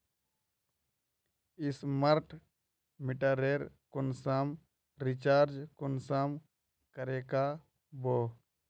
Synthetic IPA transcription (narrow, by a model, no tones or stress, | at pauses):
isməɾʈʰ | miʈaɾeɾkʊnsam | ɾit͡ʃaːɾd͡ʒkʊnsam | kəɾeka | bo